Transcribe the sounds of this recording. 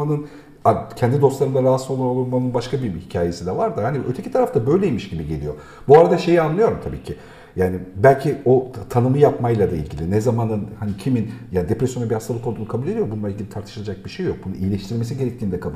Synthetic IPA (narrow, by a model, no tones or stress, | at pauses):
anɯn | acʰɛnd̪id̪o̞st̪lˠaɾɯnd̪aɾaasolˠuɾolˠuɾmanɯnbaʃkʰabihicʰaːje̞sind̪ɛvaɾd̪ɯɦaniʔøt̪ʰecʰit̪ʰaɾaft̪ʰabø̞jlʲejimiʃɟibiɟe̞lʲijo̞ | buaɾad̪aʃe̞jianlˠɯjo̞ɾumt̪ʰabiːcʰi | jaːnibælʲcʰiot̪ʰanɯmɯjapmajlˠad̪aḭlʲɟilʲinɛzamanɯnhanicʰiminjaːnid̪e̞pɾesjo̞nabihast̪ʰalˠkolˠd̪unukʰabulʲed̪ijo̞bununˠailʲɟilʲit̪ʰaɾt̪ʰɯ̥ʃɯlˠad͡ʒak̚biʃe̞jːjo̞k̚bunuijlʲɛʃt̪iɾiɾlʲme̞s̬iɟe̞ɾɛc̚t̪iːnd̪ɛkʰab